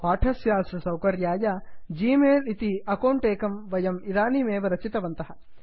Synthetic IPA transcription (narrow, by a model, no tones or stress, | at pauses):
paːʈʰɐsjaːsɾɐsɐwkɐɾjaːjɐd͡ʒiːmeːlit̪iɐkɐwɳʈeːkɐmʋɐjɐmiɾaːnimeːʋɐɾɐt͡ʃit̪ɐʋɐnt̪ɐɦɐ̆